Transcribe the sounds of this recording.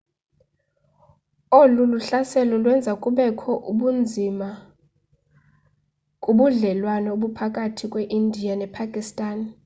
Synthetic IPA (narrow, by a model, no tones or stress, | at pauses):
oluluɬasɛlɔlwɛnd͡zʱakʼuɓɛkʰɔʔuɓund͡zʱima | kʼuɓuɮɛlwanɔoɓupʰakʼatʰikʼweʔindʱijanɛpʰakʼistʼaːn